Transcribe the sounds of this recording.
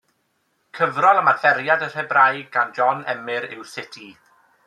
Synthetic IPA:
kʰəvrɔlˠəmafɛɾjadər̥ɛbrajɡɡand͡ʒɔnɛmɨɾɪwsɪtʰi

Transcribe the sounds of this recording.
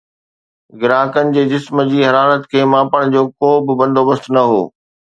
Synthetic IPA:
ɡɪɾaːkənɪ̆d͡ʑeːd͡ʑɪsməd͡ʑiːɦɐɾaːlət̪kʰeːmãːpəɽ̃d͡ʑoːkoːbɪbɐ̃nd̪ʱoːbəst̪nɐɦo̰ː

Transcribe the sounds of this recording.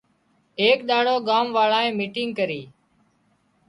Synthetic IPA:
eːkɗ̪aːɽoːɡaːmʋaːɭaːẽːmiːʈɪŋɡ̚kəɾiː

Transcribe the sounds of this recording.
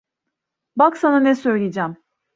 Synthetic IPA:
baksananɛsø̞jlʲied͡ʒæm

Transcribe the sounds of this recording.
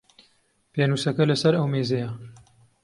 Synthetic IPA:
peːnuːsɐkɐlɐsɐɾɐwmeːzejɐ

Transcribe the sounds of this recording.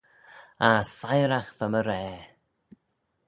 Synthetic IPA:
asajɾaxvəməɾɛː

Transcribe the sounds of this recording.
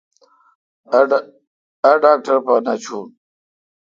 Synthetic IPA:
ɐɖaːk̚ʈɐɾpɐnɐt͡ɕʰun

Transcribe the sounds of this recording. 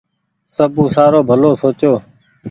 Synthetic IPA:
səbũːsaːɾoːbʱəloːsoːt͡ʃjoː

